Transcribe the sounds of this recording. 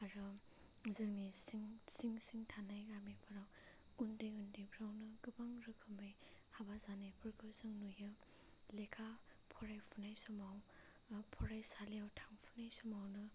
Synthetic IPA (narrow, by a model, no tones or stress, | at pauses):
aɾɯ | zɯŋnisiŋsiŋsiŋtʰanajɡamipʰaɾaw | undɯjundijbʰʱɾawnɯɡɯbaŋɾɯkʰɯmɯjhabazanajpʰɯɾkʰɯzɯŋnujɯ | lekʰa | pʰɔɾajpʰunajsɔmaw | pʰɔɾajsaliawtʰaŋpʰunajsɔmawnɯ